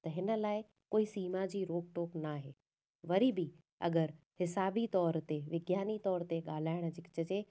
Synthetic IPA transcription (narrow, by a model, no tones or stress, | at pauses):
t̪ɐɦɪnə̆laːɪ | koːisiːmad͡ʑiːɾoːɡ̚ʈoːknaːɦeː | ʋɐɾibi | ɐ̰ɡəɾ | hɪsaːbit̪ɔːɾt̪eʋɪɡjaːnit̪ɔːɾt̪eɠaːl̤aːɪɽ̃d͡ʑɪkt͡ɕəd͡ʑeː